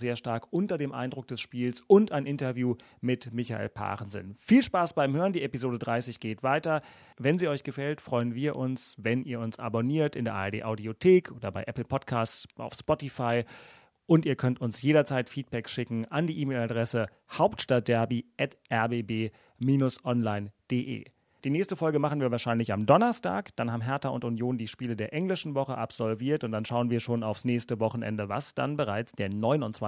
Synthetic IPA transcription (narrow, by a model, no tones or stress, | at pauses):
z̥eːɐʃtaɐkʔʊntɐdeːmʔa̰ɪndʁʊk̚d̥ɛsʃpiːlsʊntaɪnʔɪntɐvjuː | mɪtmɪça̰ʔḛːlpʰa̰ːʁənzə̰nfiːlʃpaːsb̥aɪmhøːʁəndiːʔɛpizoːɾədʁaɪsɪçɡ̥eːtv̥aɪtɐ | vɛnziːɔʏçɡ̥əfɛltfʁ̥ɔʏənviːɐʔʊnsvɛnʔiːɐʊnsʔa̰boniːɐtɪndeːɐʔa̰ːɛɐdḛːʔaʊdiotʰeːkʰʔoːdɐbaɪʔɛpl̩pʰɔtkʰaːst͡sʔa̰ʊfspɔtifaɪ | ʔʊntiːɐkʰœntʊnsjeːɾɐt͡saɪtfiːt̚b̥ɛkʃɪkŋ̩ʔandiːʔiːmeːladʁɛsə | haʊptʃtat̚d̥ɛɐbiʔɛtʔɛɐbeːbeː | miːnʊsʔɔnlaɪnd̥eːʔḛː | d̥iːnɛːçstəfɔlɡəmaχn̩viːɐvaːʃaɪnlɪçamdɔnɐsta̰ːkd̥anhaːbmɦɛɐtaʊntunjoːndiːʃpiːlədeːɐʔɛŋlɪʃn̩vɔχəʔapz̥ɔlviːɐtʊnt̚d̥anʃaʊənviːɐʃoːnaʊfsnɛːçstəvɔχn̩ʔɛ̰ndəvasd̥a̰nbəʁaɪt͡sd̥eːɐnɔʏnʊntt͡sv̥a